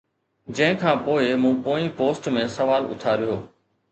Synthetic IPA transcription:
d͡ʑɐ̃ɦɪ̃kʰãːpoːɪmũːpoːĩpoːsʈmẽːsəʋaːlʊ̰t̪ʰaːɾɪjoː

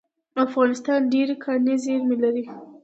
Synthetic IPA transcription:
afɣɑnɪst̪ɑnɖeɾkʰɑnezeɾmelaɾi

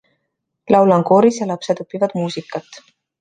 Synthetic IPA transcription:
lɑwlɑŋko̞ːɾisjɑlɑpse̞d̪opːivɑd̪muːsikːˑɑt̪ːˑ

